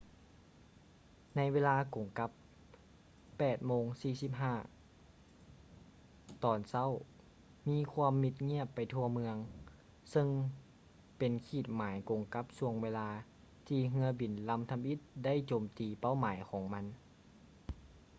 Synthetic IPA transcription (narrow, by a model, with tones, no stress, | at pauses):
na˧˥jweː˧laː˧ko˨˩ŋka˧˥p | ɛː˨˩t̪̚moː˧˥ŋsiː˧˩si˧˥p̚ɦaː˧˥˩ | t̪ɔː˨˩nsa˥˨w | miː˧˥˨kʰwaː˧˥əmːi˧t̪̚ŋi˥˩əpːa˨jt̪ʰu˧ɐmɯ˧əŋ | sɤ˧ŋ | pe˨nkʰiː˧˩t̪̚maː˨˦jko˨˩ŋka˧˦˥p̚su˧˩əŋweː˧laː˧ | t̪ʰiː˧˩ɦɯ˧˥ɐbi˨˩nla˧˥mt̪ʰa˧mʔi˧˦˥t̪̚da˥˨jt͡ɕoː˨mt̪iː˨pa˥˨wmaː˨˩˦jkʰɔː˨˦ŋma˧˥n